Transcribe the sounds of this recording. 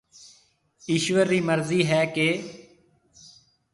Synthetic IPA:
iːʃʋəɾːiːməɾziːɦɛːkeː

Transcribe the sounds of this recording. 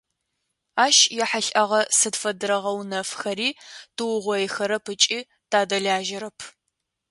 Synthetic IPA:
aːʃjɛħaɬʼʔɐʁɐsɨdfɐdɨɾɐʁɐwnɐfxɐɾiːtɨwʊʁʷɔjxɐɾɐpʰɨt͡ʃʼiː | tʰaːdɐɮaːʒɪɾɐpʰ

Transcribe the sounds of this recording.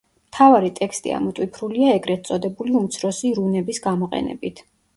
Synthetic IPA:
mt̪ʰavaɾit̪ʼɛkst̪ʼḭa̰mɔt̪ʼwipʰɾuliaɛɡɾɛt̪sʼɔd̪ɛbuliumt̪sʰɾɔsiɾunɛbisɡamɔqʼɛ̰nɛ̰bit̪ʰ

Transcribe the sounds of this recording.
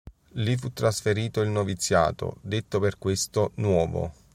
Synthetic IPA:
lifut̪ːɾasfeɾiːt̪oilnovit̪sːja̰ːt̪o̰d̪et̪ːoperkwest̪onwɔːvo̰

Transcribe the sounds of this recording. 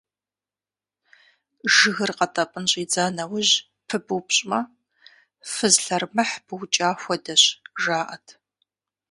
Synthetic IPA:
ʒɨɣɨrqɐtʼɐpʼɨnɕʼiːd͡zaːnɐwʊʑ | pʰɨbuwpɕʼmɐ | fɨzɬɐrmɐħbɨwt͡ʃʼaːxʷɔdɐɕʒaːʔɐtʰ

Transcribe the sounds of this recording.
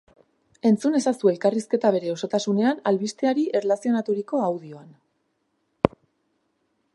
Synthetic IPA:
e̞nt͡sune̞sasue̞lkariske̞t̪aβ̞e̞ɾe̞o̞so̞t̪asune̞analβist̪eaɾiʔe̞rlasio̞nat̪uɾiko̞awð̞io̞an

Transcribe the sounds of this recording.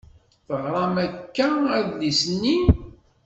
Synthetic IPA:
θəʁɾˤɑmækːææðlisnːi

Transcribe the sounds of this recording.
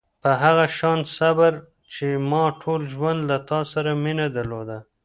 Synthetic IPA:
pəɦaɣaʃɑnsabaɾ | t͡ʃemɑʈʰolʒwand̪lat̪ɑsaɾaminad̪aɾlod̪a

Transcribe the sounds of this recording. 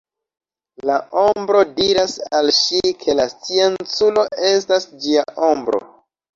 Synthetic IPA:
lao̞mbɾo̞diɾasalʃikʰe̞last͡sie̞nt͡sulo̞e̞stasd͡ʒiaʔo̞mbɾo̞̰

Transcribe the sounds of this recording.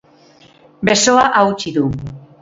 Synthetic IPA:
be̞so̞aʔawt͡ʃiðu

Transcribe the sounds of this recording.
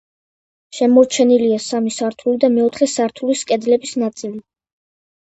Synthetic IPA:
ʃɛmɔɾt͡ʃʰɛniliasamisaɾt̪ʰulid̪amɛɔt̪ʰχɛsaɾt̪ʰuliskʼɛd̪lɛbisnat̪sʼili

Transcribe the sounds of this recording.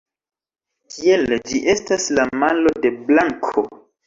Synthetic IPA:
kield͡ʒiʔe̞staslamalo̞de̞blaŋkʰo

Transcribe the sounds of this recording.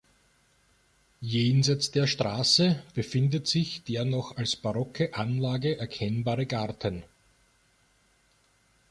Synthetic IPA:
jeːnzæɪt͡sd̥eːɐʃtʁ̥aːsəb̥əfɪndətz̥ɪçd̥eːɐnɔxalsb̥aʁɔkəʔanlaːɡəʔɛɐkʰɛnbaːʁəɡaɐtʰən

